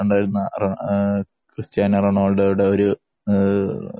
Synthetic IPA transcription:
uɳɖaːjiɾunːɐrɐɳ | krɨst͡ɕjaːnɐrɐɳoːɭɽejuɽeoɾu

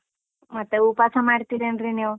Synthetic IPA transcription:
mat̪eupasamaɽt̪iɾenɾinew

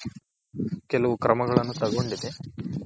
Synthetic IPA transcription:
kelːɐʋukɾɐmɐɣɐɭenːut̪ɐɣoɳɖiðe

